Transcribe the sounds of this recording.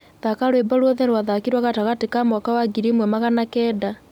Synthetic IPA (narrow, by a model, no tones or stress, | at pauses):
ðakaɾwebɔɾwɔðɛɾwaðakiɾwaɣataɣatikamɔkawaɡiɾimwɛmaɣanakɛːda